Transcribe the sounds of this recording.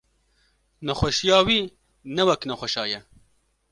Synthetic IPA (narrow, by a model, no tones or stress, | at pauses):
nɐxʷɐʃijɑːwiː | nɛwɛknɐxʷɐʃɑːjɛ